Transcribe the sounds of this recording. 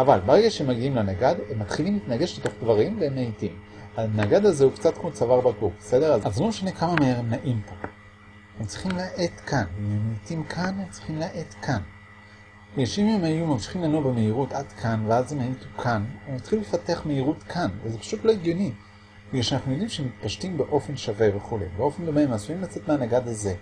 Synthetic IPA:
ʔavalbaʁeɡaʃeemaɡiimlenaɡadhemːat̪χilimit̪naɡe̞ʃleto̞χdvaʁimveemːeitimanaɡad̪azeukt͡satkmot͡savaʁbaɡubesede̞ʁazazlo̞meʃane̞kamameeʁemnaʔimtam | emt͡si̥χimlaʔe̞tkʰanememeitimkʰanemt͡si̥χimlaʔe̞tkʰan | jeʃimemajumamʃi̥χimlanobemeiʁutadkʰanveazhemaitukʰanemat̪χilefate̞aχmeiʁutkʰanvezepḁʃutlo̞iɡjo̞ni | iaʃanaχnujo̞d̪imʃeemit̪paʃtimbeʔo̞fe̞nʃave̞veχulḛjbeo̞fe̞nd̪o̞me̞measuimlat͡se̞tmeanaɡad̪aze̞

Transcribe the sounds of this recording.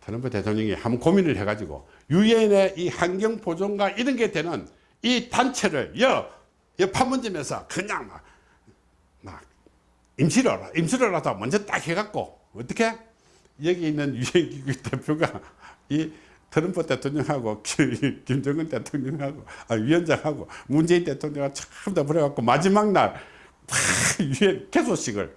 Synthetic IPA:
tʰɯɾʌmpʰote̞tʰoŋɲʌŋḭhamnkominɯɭhe̞ɡad͡ʑiɡo̰ | juene̞ʔihanɡjʌŋpod͡ʑoŋɡaiɾɯnɡedwe̞nɯn | itant͡ɕʰeɾɯɭjʌ | jʌpʰanmʌnd͡ʑemensʰʌ̰kɯɲaŋma̰ | ma̰ | imɕʰiɾʌɾaimɕʰiɾʌɾadomwʌnd͡ʑʌt͈a̰k̚heɡak̚k͈o̰ | ʌt͈ʌkʰe | jʌɡeinːɯnjiɦenɡiɡutepʰjoɡai | tɯɾɯmpʰote̞tʰoŋɲʌŋɦaɡokkimd͡ʑʌŋɯntetʰoŋɲʌŋhaɡoaɥiʌnd͡ʑaŋhaɡomund͡ʑe̞intetʰoŋɲʌŋɡat͡ɕʰʌ̥k͈ʌmtap̬uɾʌɡak͈omad͡ʑimak̚naɭ | ajiɦenkesʰoɕ͈ʰiɡɯ̰ɭ

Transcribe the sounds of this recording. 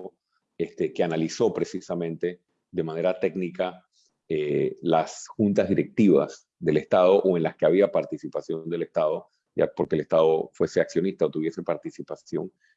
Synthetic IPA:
est̪ekeanaliso̞pɾe̞sisamẽnt̪e̞ | ðe̞mãne̞ɾat̪e̞ɡnika | elasxunt̪azðiɾe̞k̚t̪iβa̰s | ðe̞le̞st̪að̞o̞ʔoe̞nlaskeaβ̞iapaɾt̪isipasjo̞nd̪e̞lest̪að̞o̞ | ja̰po̞ɾke̞lest̪að̞o̞fwe̞se̞aksjo̞nist̪aot̪uβje̞se̞paɾt̪isipasjo̞̰ŋ

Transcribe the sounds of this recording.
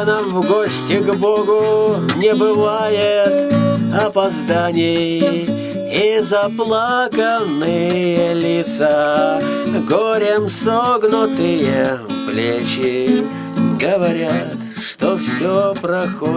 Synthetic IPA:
namvɡosʲtʲɪɡboɡʊnʲɪbɨvajɪt̪ɐpɐzd̪anʲɪj | ɪzɐplˠakənːɨjəlʲɪt̪sa | ɡoɾʲɪmsoɡnʊt̪ɨjəplʲet͡ɕɪ | ɡəvɐɾʲat̪ | ʂt̪ofsʲopɾɐxo

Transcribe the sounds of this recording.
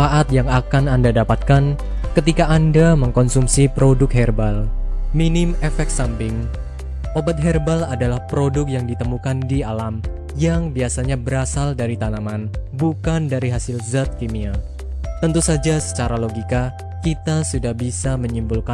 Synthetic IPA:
aʔat̪̚jaŋakanandadapat̪̚kan | kət̪ikaːndaməŋkɔnsumsipɾodʊk̚ɦɛrbalminɪmefɛk̪̚sampɪŋ | ʔobat̪̚ɦɛrbaladalahpɾodʊk̚jaŋdit̪əmukandialam | jaŋbiasaɲabəɾasaldaɾit̪anamanbukandaɾiɦasɪlzat̪̚kimia | t̪ənt̪usad͡ʒasə̥t͡ʃaɾaloɡika | kit̪asudahbisaməɲimbulka

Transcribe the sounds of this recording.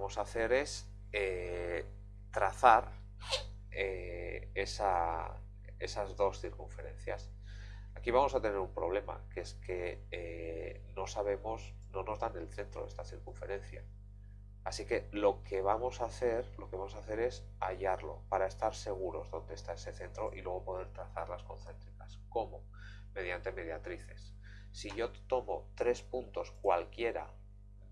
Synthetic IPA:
mo̞saθe̞ɾe̞s | e | t̪ɾaθaɾ | eesa | e̞sazðo̞sθiɾkuɱfe̞ɾe̞̰nθja̰s | akiβ̞amo̞sat̪e̞ne̞ɾumpɾo̞β̞le̞ma̰kee̞ske̞e | no̞saβ̞e̞mo̞s | no̞no̞zðane̞lθe̞nt̪ɾo̞̰e̞st̪aθiɾkuɱfe̞̰ɾe̞n̟θja̰ː | sike̞lo̞ke̞βamo̞saθe̞ɾlo̞keβamo̞saθe̞ɾe̞s | aʎaɾlo̞̰paɾaest̪aɾse̞ɣ̞uɾo̞zðo̞nd̪e̞st̪ae̞se̞θe̞nt̪ɾo̞ʔilwe̞ɣ̞o̞po̞ð̞e̞ɾt̪ɾaθaɾlasko̞̰nθe̞nt̪ɾikasko̞mo̞ | me̞ð̞jant̪e̞me̞ð̞jat̪ɾiθe̞sː | iʝo̞t̪o̞mo̞t̪ɾe̞spunt̪o̞skwalkje̞ɾa̰

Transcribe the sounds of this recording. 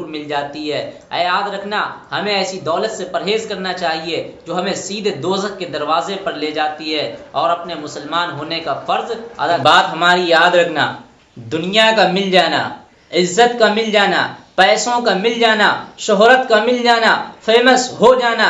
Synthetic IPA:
ɾmɪld͡ʒaːt̪iɦɛː | jaːd̪ɾɐkʰnahɐmẽɛːsid̪ɔːlət̪sepɐɾɦeːzkɐɾnat͡ʃaːɦied͡ʒoːɦɐmẽsiːd̪ʱd̪oːzəkked̪ɐɾwaːzepɐɾleːd͡ʒaːt̪iɦɛːɔːɾɐpnemʊsəlmaːnɦoːnekafɐɾza̰d̪abaːt̪ɦɐmaːɾijaːd̪ɾɐkʰna̰ | d̪ʊnijakamɪld͡ʒaːna̰ | ɪzːət̪kamɪld͡ʒaːna̰pɛːsõkamɪld͡ʒaːnaʃʊɦɾət̪kamɪld͡ʒaːnafeːməsɦod͡ʒaːna

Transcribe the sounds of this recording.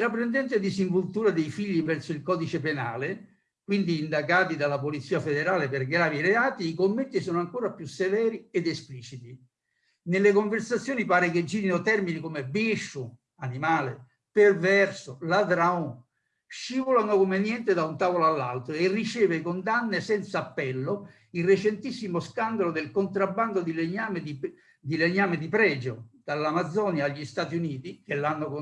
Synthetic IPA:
t̪ɾapːɾend̪ɛnt̪̬ɪd̪isiɱvult̪uːɾad̪ejfiʎːipɛrsʊilkɔːd̪it͡ʃepena̰ːlɪ | kwind̪iːnd̪aɡaːt̪̬id̪alːapolit̪sːiːafed̪eɾaːlɪpɪrɡɾaːviɾeaːt̪iːkomːet̪ːisɔːnoaŋkoːɾapjusːevɛːɾiɛd̪espliːt͡ʃit̪i | nelːekoɱversat̪sːjoːnipaːɾeked͡ʒiːɾinot̪ɛrminikomebiʃːʊ | animaːlɪ | pervɛrsʊlad̪ɾao | ʃːivolanokomenjɛnt̪ed̪aunt̪aːvoloalːa̰lt̪ɾoerːit͡ʃɛːvɪkond̪anːɪsɛnt̪saːpːɛlːo | ilrːet͡ʃent̪isːimoskand̪alod̪elkont̪ɾabːand̪od̪ileɲaːmed̪i | d̪ileɲːaːmed̪ipɾɛːd͡ʒod̪̥alːamad̪zːɔːnjaːʎːist̪aːt̪iuniːt̪ik̟elːanːʊk

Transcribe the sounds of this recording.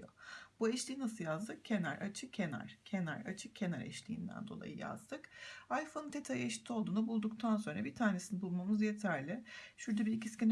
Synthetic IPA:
jo̰b̥uɛʃlʲiːinasɯjazd̪ɯk̚cʰe̞næɾʔat͡ʃʰɯk̚cʰenæ̰ɾ̥cʰe̞næ̰ɾat͡ʃʰɯk̚cʰe̞naɾɛ̰ʃlʲiːnd̪æ̰nd̪o̞lˠa̰jɯ̰ja̰zd̪ɯkajfonnt̪ʰet̪ʰajeʃi̥t̪ʰːio̞lˠd̪uːnabulˠd̪uk̚t̪ʰans̬o̞nɾabit̪ʰaːne̞sinbulˠmamɯzje̞t̪ʰæɾlʲɪʃuɾd̪abiicʰiscʲin

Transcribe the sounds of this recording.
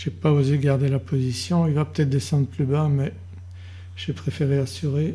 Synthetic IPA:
ʒ̥epaozeɡaʁd̪elapʰozisjɔ̃ilvapø̥t̪ɛt̪χd̪esɑ̃d̪ʁəplybamɛ | ʒ̥epχefeʁeasyʁe

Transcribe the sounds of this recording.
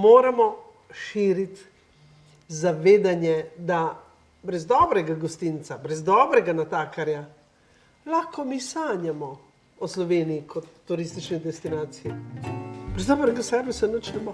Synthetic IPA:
moːɾamɔ | ʃiːɾit̪ | zaʋeːd̪anjɛd̪a | bɾɛzd̪ɔːbɾɛɡaɡɔst̪int̪sabɾɛzd̪ɔːbɾɛɡanat̪aːkaɾja | laxkɔmisaːnjamɔ | ɔslɔʋeːnijikɔt̪ːuɾist̪it͡ʃnid̪ɛst̪inaːt̪sijɛ | bɾɛzd̪ɔːbɾɛɡasɛɾʋisanət͡ʃnɛmɔ

